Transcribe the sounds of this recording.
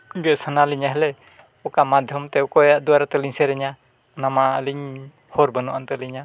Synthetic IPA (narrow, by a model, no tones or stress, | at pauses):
ɡɛsanaliɲaɦɛlɛ | ɔkamad̪ʱjɔmt̪ɛɔkɔjaʔd̪uwaɾat̪ɛliɲsɛɾɛɲa | namaəliɲ | hɔɾbənuʔant̪ɛliɲa